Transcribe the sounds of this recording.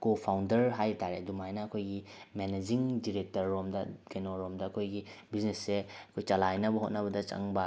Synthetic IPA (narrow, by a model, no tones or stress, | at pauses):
kopʰawndɐɾɦajtaɾedumajnɐːkʰojɡimened͡ʒiŋdiɾek̚tɐɾːomdɐɡenoɾomdɐːkʰojɡibiznesːeɐkʰojt͡ʃalajnɐbɐɦot̚nɐbɐdɐt͡ʃɐ̰ŋbɐ